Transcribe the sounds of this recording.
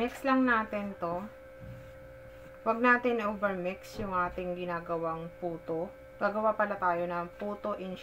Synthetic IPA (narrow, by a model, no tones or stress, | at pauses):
mɪkslɐŋnaːt̪ɛnt̪o̞ | wɐɡ̚naːt̪ɪnʔɪʔoːvɛɹmɪksjʊŋʔaːt̪ɪŋɡɪnaːɡɐwaŋpuːt̪o | ɡ̥aːɡɐwapɐlat̪aːjo̞nɐpuːt̪o̞ʔɪn